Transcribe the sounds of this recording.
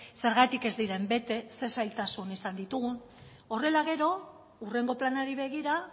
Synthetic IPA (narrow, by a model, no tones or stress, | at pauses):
se̞ɾɣ̞at̪ike̞zd̪iɾe̞mbe̞t̪e̞se̞sajlt̪asunisand̪it̪uɣun | o̞re̞laɣ̞e̞ɾo̞ | ure̞ŋɡo̞planaɾiβe̞ɣ̞iɾa